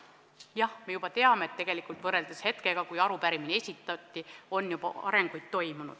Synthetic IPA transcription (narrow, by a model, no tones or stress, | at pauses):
jɑhme̞jub̥ɑt̪e̞ɑmeet̪ːe̞ɡ̥e̞likult̪vɤrːe̞ld̪eshe̞t̪keɡ̥ɑkujɑɾupæɾiminie̞sʲit̪ːˑɑt̪ːio̞nːjubɑ̰ɑ̰ɾe̞ŋɡ̥ujd̪̥̚t̪o̞jmunṵd̪̥